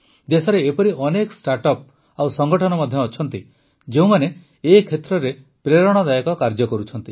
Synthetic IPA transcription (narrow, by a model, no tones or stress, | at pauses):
d̪esɔɾeːpɔɾiɔnekɔ̥sʈaɾʈɔp̚ | awsɔŋɡɔʈʰɔnɔmɔd̪ʱjɔːt͡ʃʰɔnt̪i | d͡ʒeũmane | ekʰet̪ɾɔɾe | pɾeɾɔɽ̃ɔd̪ajɔkɔkaɾd͡ʒɔkɔɾut͡ʃʰɔnt̪i